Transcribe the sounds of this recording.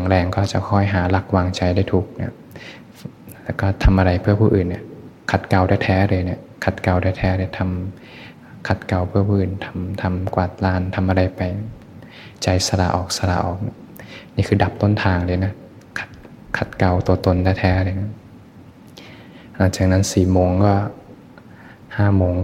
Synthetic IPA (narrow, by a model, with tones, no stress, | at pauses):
a˨˦ŋɾɛː˧ŋkɔː˥˧˩t͡ɕa˨˩kʰɔ˥˩jɦaː˩˦la˧˥˩k̚waː˧ŋt͡ɕa˧jdaː˥˩jt̪ʰuː˧˩k̚na˧˩ | lɛː˧˩kɔː˥˩t̪ʰa˧mʔa˧ɾa˧jpʰɯ˥˩ɐpʰuː˧˨ʔɯː˨˩nːi˧˩kʰa˨˧˩t̪̚ka˧wɾaː˥˩jt̪ʰɛː˦˥ɾɤː˧jni˧˩kʰa˨˧˩t̪̚ka˧wdaː˥˩jt̪ʰɛː˦˥ɾa˧˩t̪ʰa˧mː˧ | kʰa˨˩t̪̚ka˧wpʰɯ˥˩ɐpʰuː˧˩ʔɯː˨˩nt̪ʰa˧mt̪ʰa˧mkwaː˨˩t̪̚laː˧˩nt̪ʰa˧mʔa˧ɾa˧jpa˧j | t͡ɕa˧jsa˧la̰ː˨˩ʔɔː˨˩k̚sa˧la̰ː˨˩ʔɔː˨˩k̚ni˧˥ | niː˥˩kʰɯː˧da˨˩p̚t̪o˥˩nt̪ʰaː˧ŋdɤː˧˩na˦˥˩ | kʰa˧˩t̪̚ | kʰa˨˩t̪̚ka˧wt̪u˧ɐt̪o˧ndaː˥˩jt̪ʰɛː˦˥ɾɤː˧jna˦˥˩ | nɔː˧˩t͡ɕaː˨˩k̚na˦˥nsiː˨˩moː˧ŋkɔː˥˩ | haː˥˩moː˧ŋ